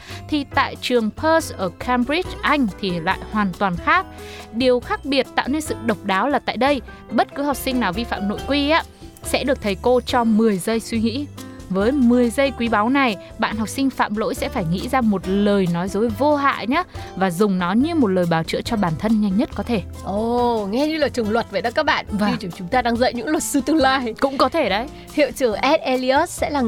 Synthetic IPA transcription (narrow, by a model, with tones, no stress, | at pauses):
t̪ʰi˨˩t̪a̰ː˧˨jt͡ɕɨ˨˩əŋpʰəː˧sʔəː˧˩kʰɛ˧mɹi˦˥t͡ɕʔa˧jŋ̟t̪ʰi˨˩la̰ː˧˨jhwaː˨˩nt̪waː˨˩nxaː˦˥k̚ɗi˨˩əwxaː˦˥k̚ɓi˨˩ət̚t̪a̰ː˧˨wne˧nsɨ̰˧˨ɗə˨˩wk͡p̚ɗaː˨˦wlaː˨˩t̪a̰ː˧˨jɗə˧j | ɓə˦˥t̚kɨ˨˦ha˨˩wk͡p̚sï˧ŋnaː˨˩wvi˧fa̰ː˧˨mno̰˧˨jkwi˧ʔaː˦˥ | sɛ̰˧˥ɗɨ˨˩ək̚t̪ʰə˨˩jko˧t͡ɕɔ˧mɨ˨˩əjzə˧jswi˧ŋḭ˧˥vəː˨˦jmɨ˨˩əjzə˧jkwi˨˦ɓa˨˦wna˨˩j | ɓa̰ː˧˨nɦwk͡p̚sï˧ŋ̟fa̰ː˧˨mlo̰˧˥jsɛ̰˧˥faː˧˩jŋḭ˧˥zaː˧mo˨˩t̚ləː˨˩jnɔ˨˦jzo˨˦jvo˧ɦa̰ː˧˨ɲaː˨˦˥vaː˨˩zʊ˨˩ŋ͡mnɔ˨˦ɲɨ˧mo˨˩t̚ləː˨˩jɓaː˨˩wt͡ɕɨ̰˧˥t͡ɕɔ˧ɓaː˨˩nt̪ʰə˧nɲa˧jŋ̟ɲə˦˥t̚kɔ˨˦t̪ʰe˧˩ | ʔo˨˧˩ŋɛ˧ɲɨ˧laː˨˩t͡ɕɨ˨˩əŋlwə˨˩t̚ve˨˩ɗa˨˦˥kːaː˦˥k̚ɓa̰ː˧˨nvi˧t͡ɕu˧˩t͡ɕʊ˨˦ŋ͡mt̪aː˧ɗaː˧ŋzə̰˧˨jɲɨ̰˧˥ŋlwə˨˩t̚sɨ˧t̪ɨ˧laː˧jkʊ̰˧˥ŋ͡mkɔ˨˦t̪ʰe˧˩ɗə˨˧˦j | hḭ˧˨əwt͡ɕɨ˧˩əŋʔɛ˦˥t̚ʔɛ˧li˧ə˦˥s̚sɛ̰˧˥laː˨˩